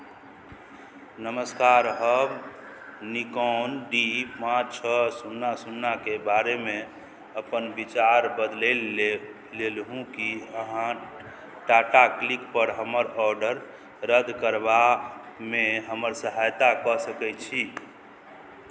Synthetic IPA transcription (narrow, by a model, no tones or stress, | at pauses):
nəməskaɾɦəb | nikɔnɖipãt͡ʃʰəsunːasunːakebaɾeme | əpənbit͡ʃaɾbəd̪lel | lelɦũkiəɦã | ʈaʈaklikpəɾɦəməɾɔɾɖəɾ | ɾəd̪ʱkəɾba | meɦəməɾsəɦajt̪akɔsəkɛt͡ʃʰi